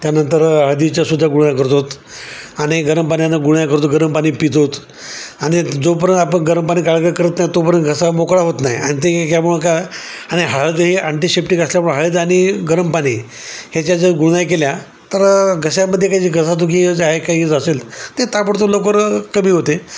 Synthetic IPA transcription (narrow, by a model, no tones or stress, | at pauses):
t̪janənt̪əɾɦad̪it͡ɕjasud̪ʱːaɡuɽjakəɾt̪ot̪ | aɽ̃iɡəɾəmpanjanːaɡuɽajkəɾt̪oɡəɾəmpaɽ̃iːpit̪ot̪ | aɽ̃id͡zop̬əɾənt̪apəɳɡəɾəmpañiːkaɭɡəkəɾət̪najit̪op̬əɾənɡʱəsamokɭaɦot̪naɦjḭa̰ɽ̃it̪̬ekjamuɭəka | aɽ̃iɦaɭd̪ɦiʔaɳʈisepʈikasljamuɭ̃ɦəɭəd̪aɽ̃iɡəɾəmpañi | het͡ɕjad͡zəɡuɽnajkelja | t̪əɾɡʱəsjaməd̪ʱːjekaiiɡʱəsat̪̬uk̬id͡zaekait͡səselt̪et̪apəɽt̪̬olokəɾkəm̤iːɦot̪e